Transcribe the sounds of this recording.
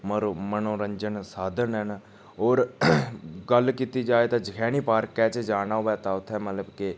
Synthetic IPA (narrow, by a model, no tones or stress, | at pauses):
məɾmənõːɾəɲd͡ʒənsaːd̪ənən | oːɾ | ɡəlkiːt̪iːd͡ʒaːet̪ãːd͡ʒəkʰɛːniːpaːɾkːɛːt͡ʃəd͡ʒaːnaːoʋɛːt̪aːʊt̪ʰːɛːmət̪ləbke